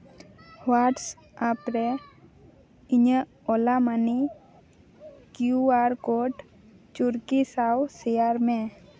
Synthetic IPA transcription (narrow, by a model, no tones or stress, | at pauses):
waʈs | apɾe | ɪɲə | olamani | kjuaɾkoʈ | t͡ʃʊɾkisawsejaɾmẽ